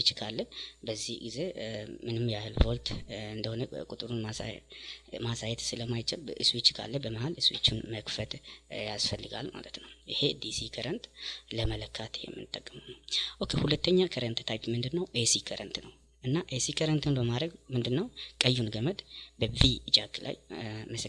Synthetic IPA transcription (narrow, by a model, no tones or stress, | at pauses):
t͡ʃːkʰalːəbəzːihɡize̞mɨnɨmjahɨlvo̞lt̪ɨnd̪əho̞nəkʼut̪ʼɨɾunmas | masajɛt̪sɨləmajt͡ʃɪlʔɨswit͡ʃːkʰa̰lːəbəməhalɨswḭt͡ʃːunməkfət̪jasfəlːɨɡa̰lma̰lət̪nəwʔɨhe̞d̪isikʰəɾənt̪ləmələkʰːat̪ʰjɛ̰mːɨnɨt̪ʼːəkʼːɨməwnəwʔokʰːehulət̪ːəɲːakʰəɾənt̪t̪ʰajpmɨnd̪ɨnːəwʔesikʰəɾənt̪nəw | ʔɨnːaʔesikʰəɾənt̪nəbəmad̪ɾəɡmɨnd̪ɨnːəwkʼəjːunɡəməd̪bəvid͡ʒaɡlʔa̰jməsə